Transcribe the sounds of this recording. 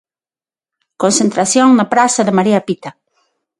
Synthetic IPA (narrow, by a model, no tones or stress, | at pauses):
konsẽnt̪ɾaθjoŋnapɾasaðemaɾiapit̪a